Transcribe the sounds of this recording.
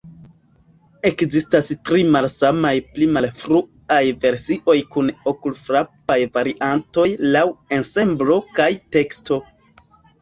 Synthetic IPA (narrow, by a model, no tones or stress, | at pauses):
e̞kzistastɾimalsamajplimalfɾu | ajve̞ɾsiʔo̞jkunokulfɾap̚ajvaɾiʔanto̞jlawense̞mblo̞kajte̞ksto̞